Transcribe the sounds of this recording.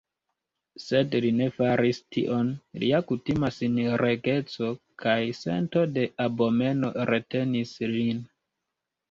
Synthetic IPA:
se̞dline̞faɾistḭʔo̞nlḭakutimasinɾe̞ɡe̞t͡so̞kʰajse̞̰nto̞de̞ʔabo̞me̞no̞ɾe̞te̞nislin

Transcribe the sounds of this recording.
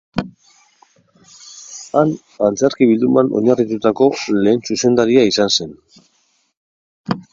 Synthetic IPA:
an | ant͡seɾkiβild̪umanoɲarit̪ut̪ako̞le̞ːnsuse̞nd̪aɾiaisanse̞n

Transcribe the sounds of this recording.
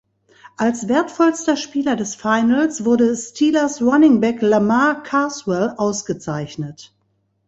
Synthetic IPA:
ʔalsv̥eːɐtfɔlstɐʃpiːlɐdɛsfaɪnlsv̥ʊɐdəstʰiːlɐsʁanɪŋbɛklamaɐkʰaːswɛlʔaʊsɡ̥ət͡saɪçnət

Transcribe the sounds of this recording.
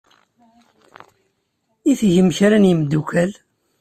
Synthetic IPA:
iθʝəmçɾænjəmd̪ːukæl

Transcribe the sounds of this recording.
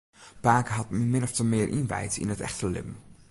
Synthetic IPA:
paːkɦɑt̚mɪnɔftəmɪːɹʔɪnʋɛ̰jtɪ̰nətɛ̰χtəlɪ̰m

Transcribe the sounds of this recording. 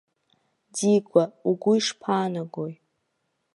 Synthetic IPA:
diɡʷauɡʷʊiʂpʰaːnaɡoj

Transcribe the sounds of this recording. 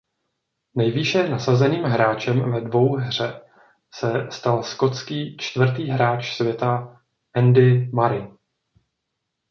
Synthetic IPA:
nɛjviʃɛnasazɛniːmɦɾaːt͡ʃɛmvɛdvo̞wɦr̝ɛ | sɛst̪alsko̞t͡skiːt͡ʃt̪vr̩t̪iːɦɾaːt͡ʃsvjɛt̪a | ʔɛndɪmaɾɪ

